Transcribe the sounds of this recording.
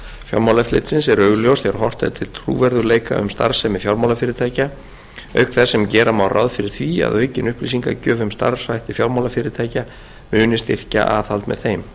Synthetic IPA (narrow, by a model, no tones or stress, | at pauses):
fja̰ɾmawlɛft̪lɪ̰t̪sɪnsɛɾœɣljowst̪jɛɾhɔr̥t̪aðɪt̪ʰɪlt̪ʰrṵːvɛɾðʏleːjka̰ʏ̰mst̪a̰ɾsɛmɪfjawɾmawlafɪːɾɪt̪ʰaːjca | œ̰ɥkθɛsːɛmcɛːɾamawrʔa̰wðfɪɾɪɾ̥θvia̰ðœːɥcɪnʏhpliːsiŋka̰cœːvʏmst̪a̰ɾsajht̪ɪfjawɾmawlafɪːɾɪɾt̪ʰaːjca | mʏːnɪst̪ɪr̥ca̰ʔaːθalt̪mɛ̰ðθejm